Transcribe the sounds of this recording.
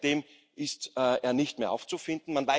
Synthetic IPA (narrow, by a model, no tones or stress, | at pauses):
d̥eːm | ʔɪstːʔeːɐnɪçtmeːɐʔaʊft͡sufɪndn̩manva